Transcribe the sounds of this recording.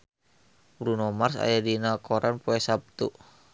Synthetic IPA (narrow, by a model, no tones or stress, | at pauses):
bɾunɔmarsa̰jadinakɔɾanpoɛsap̚t̪ṵ